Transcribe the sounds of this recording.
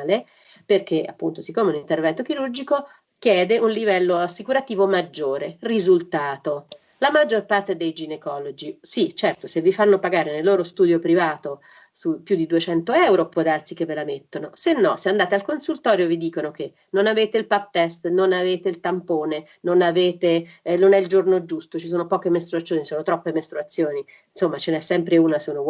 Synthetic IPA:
le | perk̟ea̰pːunt̪osikːoːmeunint̪ervɛnt̪ok̟iɾurd͡ʒiko | kjɛːd̪eʔunlivɛlːoasːikuɾat̪iːvomad͡ʒːoːɾerizult̪aːt̪o | lamad͡ʒːorpart̪ed̪ejd͡ʒinekɔlod͡ʒisit͡ʃɛrt̪osevːifanːopaɡaːɾenelːoːɾost̪uːd̪jopɾivaːt̪o | supːjud̪id̪uet͡ʃɛnt̪oɛwɾopwɔd̪arsik̟evːelamet̪ːonosenːɔseand̪aːt̪ealkonsult̪ɔːɾjovid̪iːkonok̟e | nːonaveːt̪eilpap̚t̪ɛst̪nonaveːt̪eilt̪ampoːne | nonaveːt̪enonɛild͡ʒornod͡ʒust̪ot͡ʃis̬oːnopɔːkemest̪ɾuat̪sːjoːnisoːnot̪ɾɔpːemest̪ɾuat̪sːjoːni | nsomːat͡ʃenɛsːɛmpɾeuːnasono

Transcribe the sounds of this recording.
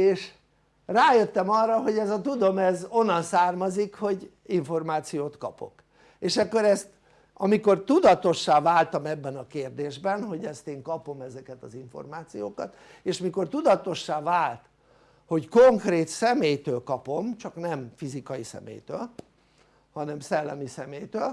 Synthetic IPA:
eːʃ | raːjøt̪ːɛmɒrːɒɦo̞ɟɛzɒt̪ud̪o̞mɛzo̞nːɒnsaːrmɒzikho̞ɟ | iɱfo̞rmaːt̪sijoːt̪kɒ̰po̞̰k | eːʃɛkːo̞ɾɛst̪ | ɒmiko̞rt̪ud̪ɒt̪o̞ʃːaːvaːlt̪ɒmɛbːɛnɒkeːrd̪eːʒbɛnɦo̞ɟɛst̪eːŋkɒpo̞mɛzɛkɛt̪ɒziɱfo̞̰rmaːt̪sijoːkɒt̪ | eːʃmiko̞rt̪ud̪ɒt̪o̞ʃːaːvaːlt̪ | ho̞ckoŋkreːt̪sɛmeːjt̪øːlkɒpo̞mt͡ʃɒknɛmfizikɒjisɛ̰mḛːjt̪ø̰ːl | hɒnɛmsɛlːɛ̰misɛmeːjt̪øːl

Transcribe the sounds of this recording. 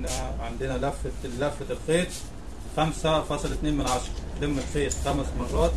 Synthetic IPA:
næʕɪnd̪ɪnælæfːlæfːɪlxeːt̪ | xæmsafɑsˤlɪt̪neːmɪnʕaʃɑɾˤɑd̪ɪmːɪlxeːt̪xæmsmɑrˤːɑːt̪

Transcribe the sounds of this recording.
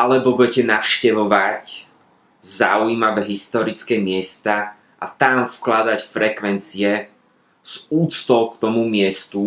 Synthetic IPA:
ʔalɛbɔbuɟɛcɛnaʊʃcɛʋɔʋac | za̰ujimaʋɛɦist̪ɔɾit͡skɛːmɪɛst̪a | ʔa̰t̪amfklad̪acfɾɛkʋɛnt͡siɛ | z̥uːt͡st̪ɔʊkt̪ɔmumɪɛst̪u

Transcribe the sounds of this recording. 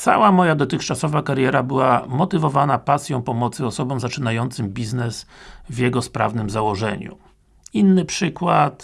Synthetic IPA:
t̪sa̰wamɔjad̪ɔt̪ɘxt͡ʂasɔvakaɾjɛɾabɘwamɔt̪ɘvɔvanapasʲjɔ̃w̃pɔmɔt̪sɘɔsɔbɔ̃wzat͡ʂɘnajɔnt̪sɘmbʲiznɛsvjɛɡɔspɾa̰vnɘmzawɔʐɛ̰ɲṵ | inːɘpʂɘkwat̪

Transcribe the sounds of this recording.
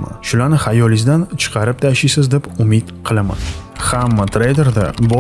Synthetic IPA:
a̰ʃʊlaɾnɪhajɒlˠɪzd̪ant͡ʃʰɨ̥qʰɑɾɪp̚t̪ʰaʃɪjsɪzd̪epʊmɪd̪qʰɨlˠama̰n | hamːat̪ʰɾejd̪e̞ɾd̪abɒ

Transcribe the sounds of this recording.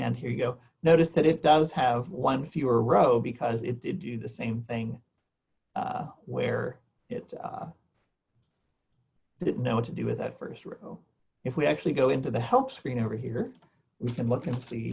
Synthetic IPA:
ɨ̃nɦiɹjɨɡoʊ | noʊɾɨsðɨɾɨt̚d̥ʌz̥ɨvwʌ̃nfjʉə˞ɹoʊbɨkʰʌzɪ̰t̚d̥ɨdɨðɨsẽɪ̃mθɪ̃ŋ | ʌ̰wə̰˞ | ɪt̚ʌ̰ | d̥ɪdⁿn̩noʊwʌtʰɨdɨ̰wɨ̰ðɨ̰tfɜ̰˞st̚ɹo̰ʊ | ɨfwiæk̚t͡ʃʉl̩ˠiɡoʊɪ̃ntʉðɨhɛlˠpskɹĩñoʊvə˞ɦiɹ | wikʰɨ̃nlʊkɨ̃nsi

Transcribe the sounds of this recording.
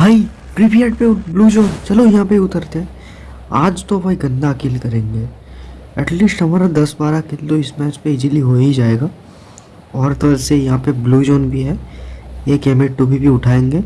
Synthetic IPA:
bʱaːi | pɾipijeʈ̚peʊbluːd͡ʒoːnt͡ʃɐlojɐɦãpeʊt̪əɾt̪eɦɛ̃ | aːd͡ʒt̪obʰaiɡɐ̃nd̪aɐkɪlkɐɾẽːŋɡeː | ɛʈliːsʈɐməɾad̪ɐsbaːɾakɪld̪oɪsmɛːt͡ʃpeɪd͡ʒiliɦoːid͡ʒaːeːɡaː | ɔːɾt̪ɐəsejɐɦãpebluːd͡ʒoːnbʱiɦɛ | eːkeːmeːʈʈobʱibʱiʊʈʰaːẽːŋɡeː

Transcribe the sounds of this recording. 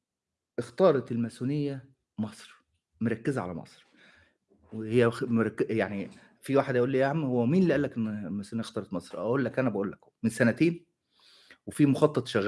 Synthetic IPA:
ʔext̪ɑːɾˤɑt̪elmæsunɪjːæ | mɑsˤɾ | moɾˤɑkːɪzæʕa̰læ̰mɑ̰sˤɾ | wehejːæmɾˤɑkːjaʕni | fiwaːħed̪æjʔuːlːiːʔæhamːhowːæmiːnliʔælːækenːlmæsunejæxt̪ɑːɾˤɑt̪mɑsˤɾˤʔæ̰ʔuːlːækʔænæbæʔuːlːækː | mɪnsænæt̪eːn | wefiːmoxɑt̪ˤːɑt̪ˤʃæɣ

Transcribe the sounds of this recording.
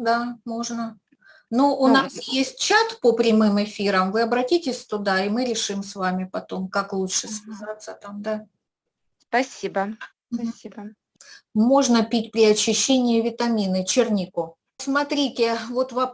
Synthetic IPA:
d̪amo̞ʐnə | nuʔʊnasjesʲt̚ʲt͡ɕat̪pəpɾʲɪmɨmɨfʲiɾəmvɨɐbɾɐtʲitʲɪsʲt̪ʊd̪aɪmɨɾʲɪʂɨmsvamʲɪpɐt̪o̞mkaklˠutʂɨsvʲɪzat̪sːət̪amd̪a | spɐsʲibə | ib | mo̞ʐnəpʲitʲpɾʲɪɐt͡ɕːɪɕːenʲɪjɪvʲɪt̪ɐmʲinɨt͡ɕɪrnʲikʊ | smɐt̪ɾʲitʲɪvo̞t̪vɐ

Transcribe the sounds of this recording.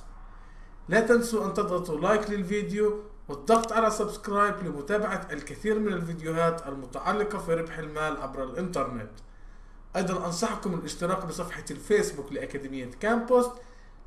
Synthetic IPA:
lat̪ansuʔant̪ɑd̪ˤɣɑt̪ˤulajklɪlviːd̪ɪju | wɨt̪̚ˤːɑɣt̪ˤʕalasabskɾɑːjblɪmʊt̪aːbaʕaʔalkaθiːɾmɪnɪlvid̪ɪjʊɦaːt̪ʔalmʊt̪aʕɑlːɪqɑfiɾɪbħɪlmaːlʕabɾɪlʔɪnt̪ɑɾˤnet̪ | ʔɑjd̪ˤɑnʔɑnsˤɑħkʊmɪlʔɪʃt̪ɪɾɑːqbɪsˤɑfħɑfeːsbuklɪʔakaːd̪ɪmɪjːakaːmpost̪

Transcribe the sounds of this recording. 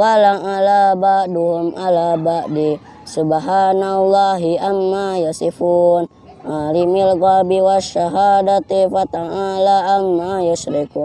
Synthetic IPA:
walaŋalabaʔdumʔalabaʔdi | subaɦanalaɦiamːajəsifun | alimilɡabiwaʃaɦadat̪efat̪aŋalaːmːajəsɾeku

